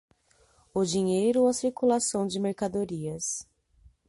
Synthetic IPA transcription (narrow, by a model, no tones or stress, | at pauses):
ʊd͡ʒiɲejɾʊɐsiɾkulasɐ̃w̃d͡ʒɪmeɾkad̪oɾiɐs